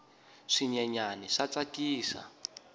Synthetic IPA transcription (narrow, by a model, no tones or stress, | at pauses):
ʂiɲɛɲaniʂat͡sakiːsa̰